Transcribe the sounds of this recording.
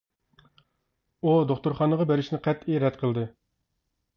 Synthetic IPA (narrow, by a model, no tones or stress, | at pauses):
ud̪oχt̪uɾχɑnəʁɑbeɾɪʃnɪqʰæt̪iɾɛt̪qʰəlˠd̪ɨ